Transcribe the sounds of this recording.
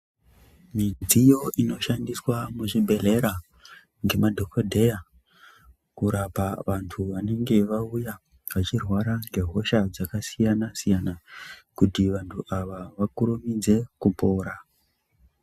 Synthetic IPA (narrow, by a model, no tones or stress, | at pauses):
mid͡zijo̞ʔino̞ʃandiswamuʐibʱe̞le̞ɾa | ŋɡe̞madʱo̞kodʱe̞ja | kuɾapaʋantʰuʋane̞ŋɡe̞ʋauja | ʋat͡ʃirwaɾaŋɡe̞ɦo̞ʃad͡zakasijanasijanakutiʋantʰuʔaʋaʋakuɾumid͡ze̞kupo̞ːɾa